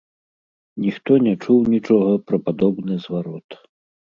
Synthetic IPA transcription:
nʲixt̪ɔnʲɛt͡ʂuwnʲit͡ʂɔɣɐpɾɐpad̪ɔbnɨzvaɾɔt̪

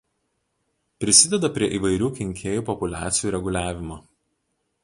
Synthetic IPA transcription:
pʲɾʲɪsʲɪd̪ʲɛd̪ɐpʲɾʲiɛʔiːʋɐɪɾʲuːkʲɪŋʲkʲʰeːjuːpɔpʊlʲæ̰ːt̪sʲɪjuːɾʲɛɡʊlʲæːʋʲɪmoː

